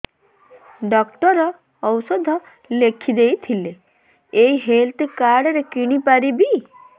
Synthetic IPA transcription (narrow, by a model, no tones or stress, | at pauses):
ɖɔkʈɔɾɔː | wsɔd̪ʱɔ | lekʰid̪ejt̪ʰile | eiɦelt̪ekaɾɽɔɾekiɽ̃ipaɾibi